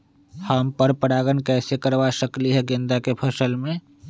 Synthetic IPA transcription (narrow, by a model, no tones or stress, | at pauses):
haːmpəɾpəɾaːɡənkɛːsekəɾʋaʃəkliɦɛɡɪ̃nd̪akepʰəʃəlmẽ